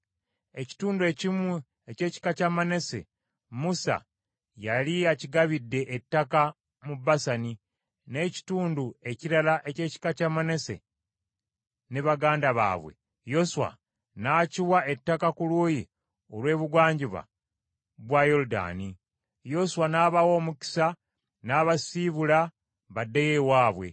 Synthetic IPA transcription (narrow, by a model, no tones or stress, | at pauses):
e̞ci̥tuːndue̞cimu | ece̞ːci̥kacamane̞se̞̰ | musa̰ | jaliaciɡaβidːe̞ʔːtːaka | mubːasani | ne̞ːci̥tuːndue̞ciɾalaʔe̞ce̞ːci̥kacamane̞sḛ | neβaɡaːndaβa̰ːβwe̞̰ | jo̞suwa̰ | naːciwae̞tːakakuluːji | o̞lwe̞ːβuɡwaːɲɟiβa̰ | βwajoɾuda̰ːni | jo̞suwanaːβawo̞ːmuki̥sa | naːβasiβula | βadːeje̞waːβwe̞̰